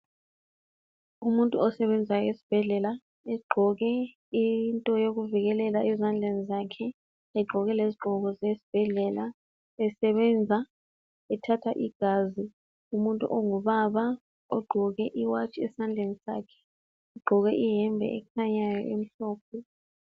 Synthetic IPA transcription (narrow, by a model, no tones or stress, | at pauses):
umuntʼuɔsɛβɛnd͡zʱajɔesi̥b̥ʱɛɮɛla | ɛɡ͡ǃʱɔɣɛ | intʼɔjoɣuviɣɛlɛlaʔɛzand͡ɮʱenizakʰɛ | ɛɡ͡ǃʱɔɣɛleziɡ͡ǃʱɔɣɔzesi̥b̥ʱɛɮɛla | ɛsɛβɛnd͡zʱa | ɛtʰatʰaʔiɡ̥ʱaːzi | umuntʼṵʔɔŋuβaβa | ɔɡ͡ǃʱɔɣɛʔiwat͡ʃʼiɛsand͡ɮʱenisa̰ːkʰɛ̥ | ɛɡ͡ǃʱɔɣɛʔiɦɛmbʱɛ̰ʔɛkʰaɲajɔ̰ʔem̩ɬɔːp̚ʰɔ